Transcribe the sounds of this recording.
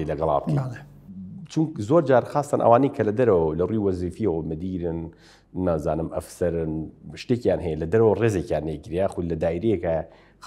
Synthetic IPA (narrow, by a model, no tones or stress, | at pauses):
elɐɡɐla̰ːb̚kʰel | t͡ʃʰʊŋkzoːɾd͡ʒaːɾxaːst̪anʔɐ̰waːnekʰɐlɐd̪ɐɾɐwlɐrujwɐziːfijewomɨd̪iːɾɨnː | aːzaːnɨmɐ̰fsɐɾɨnʃt̪eːkjaːnɦɛjelɐd̪ɐɾɐwreːzeːkjaːnːeːkiɾeaːxolɐd̪aːiɾejekɐ | x